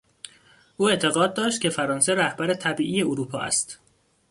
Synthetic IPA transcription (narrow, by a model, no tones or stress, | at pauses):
ʔuːe̞ʔt̪ʰe̞ɣɒːd̪̚ːɒːʃt̪̚cʰʲe̞fæɾɒːnse̞ɾæhbæɾet̪ʰæbiːʔiːje̞oɾuːpʰɒ̰ːæ̰st̪